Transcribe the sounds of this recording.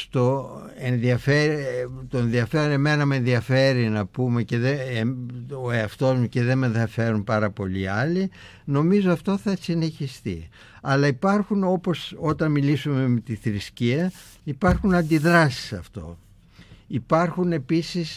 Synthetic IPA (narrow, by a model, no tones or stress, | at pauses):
st̪o̞ | e̞nðiɐfeɾt̪oẽnðiɐfeɾoneme̞nɐmeenðiɐfe̞ɾinɐpume̞ce̞ðe | oeɐft̪o̞zmuce̞ðe̞me̞nðiɐfe̞ɾunpɐɾɐpo̞liɐli | no̞mizoɐft̪o̞θɐsine̞çist̪ḭ | ɐlɐipɐɾxuno̞po̞so̞t̪ɐnmilisume̞met̪iθɾisciɐ | ipɐɾxunɐnd̪iðɾɐsi̥sɐft̪o̞̰ | ipɐɾxune̞pisis